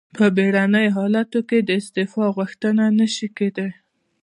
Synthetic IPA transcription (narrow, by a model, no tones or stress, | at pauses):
pʰəbeɽanəjoɦɑlat̪oked̪əɪst̪efɑɣuxt̪ənanəʃiked̪əl